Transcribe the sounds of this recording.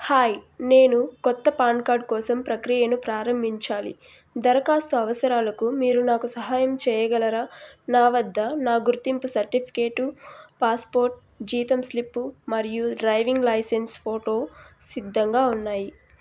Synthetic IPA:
haːjne̞ːnukɔt̪ːɐpaːɳɖkaːɾɖkɔːsɐmpɾɐkɾijɐnupɾaːɾɐmbʱiɲt͡ʃaːlḭ | d̪ɐɾɐkaːst̪uɐʋɐsɐɾaːlɐkumiːɾunaːkusɐɦaːjɐmt͡ʃɛːjɐɡɐlɐɾaːnaːʋɐd̪ʱːɐnaːɡuɾt̪impusɐɾʈipʰi̥keːʈupaːspo̞ːɾʈ̚ | d͡ʒiːt̪ɐmslipːumɐɾijuɖɾɐjʋiŋɡlɐjsenspʰoːʈo̞ːsid̪ʱːɐŋɡaːunːaːji

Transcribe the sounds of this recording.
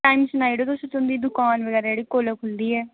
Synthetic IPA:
ʈaːimsʊnaːiɖoːt̪ʊsẽt̪ʊnd̪iːd̪ʊkaːnʋəɡɛːɾad͡ʒəɽiːkoːləkɦʊnd̪iːɛː

